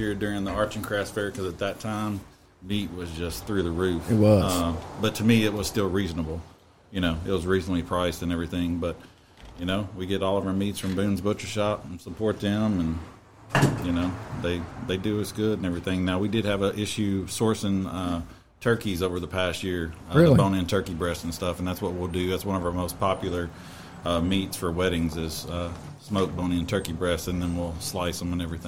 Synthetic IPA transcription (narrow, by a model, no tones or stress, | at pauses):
hiɹdʊɹɪ̃ŋðiɑɹt͡ʃɨ̃nkʰɹ̥æsfɛɹkʰʌzɨt̪̚ðɨtʰãɪ̃mː | it̚wʌzd͡ʒʌsθɹʉðɨɹʉfɪt̚wʌzʌb̥ʌtʰɨmiɪt̚wʌz̥stɪlˠɹiznəbl̩ˠ | jɨñoʊɪt̚wʌzɹiznətˡlipʰɹ̥aɪzdɨ̃nɛvɹiθɪ̃ŋbʌt̚ | jɨnoʊwiɡɛɾɔlˠʌvə˞mitsfɹʌ̃mbʉ̃nzbʊt͡ʃə˞ʃɑpn̩səpʰɔɹt̪̚ðɪ̃mə̃n | jɨnoʊðeɪðeɪdɨɪsɡ̥ʊɾn̩ɛvɹiθɪ̃ŋnaʊwidɨd̚ɨvəʔɪʃʉsɔɹsɪ̃ŋʌ | tʰɜ˞kizoʊvə˞ðəpʰæst̚jɪɹbõʊñɨ̃ntʰɜ˞kibɹɛstn̩stʌfn̩ðætswʌt̚wil̩ˠdɨðætswʌ̃ñʌvə˞moʊspʰɑpjl̩ˠə˞ | ʌmitsfə˞wɛɾɪ̃ŋzɪz̥ʌ | smoʊk̚b̥õʊ̃ñɨ̃ntʰɜ˞kibɹɛstɨ̃nðɨ̃nwilˠslaɪsʌ̃mʌ̃nɛvɹiθɪ̃ŋ